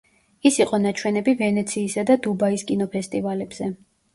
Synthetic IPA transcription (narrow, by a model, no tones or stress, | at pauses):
isiqʼɔnat͡ʃʰwɛnɛbivɛnɛt̪sʰiːsad̪ad̪ubaiskʼinɔpʰɛst̪ʼivalɛbz̥ɛ